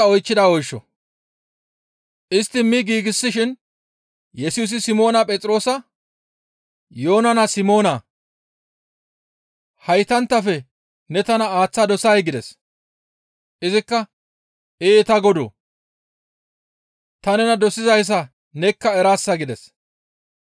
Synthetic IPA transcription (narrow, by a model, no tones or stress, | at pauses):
ɐɔjt͡ʃːɪd̪aːɔjʃːɔ̰ | ʔɪst̪ːɪmɪɡiːɡɪsːɪʃɪn | jɛsuːs̬ɪsɪmo̞ːnɐpʼɛt͡sʼɾo̞ːsɐ | joːnɐnɐsɪmo̞ːnɐ | hɐjt̪ɐnt̪ːɐfɛ | nɛt̪ɐnɐaːt͡sːad̪ɔsɐjɡɪd̪ɛs | ʔɪzɪkːɐ | eːt̪ɐɡɔd̪o̰ː | t̪ɐnɛnɐd̪ɔsɪzɐjs̬ɐ | nɛkːɐɛɾaːsːɐɡɪd̪ɛs